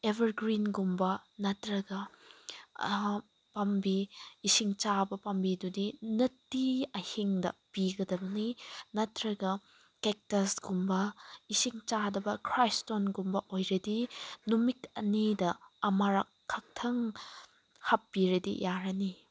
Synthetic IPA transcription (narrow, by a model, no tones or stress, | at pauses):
ebɐɾɡɾinɡumbɐnɐtɾɐɡɐ | pɐmbiːsiŋt͡ʃabɐpɐmbidudinɐtːiɐhiŋdɐ̰piɡɐdɐbɐninɐtɾɐɡɐ | kek̚tɐsɡ̥umbɐisiŋt͡ʃadɐbɐkʰɾajstonɡumbɐʔojɾɐdinumikɐ̰nidɐːmaɾɐkʰːɐk̚tʰɐŋ | hɐpːiɾɐdḭjaɾɐni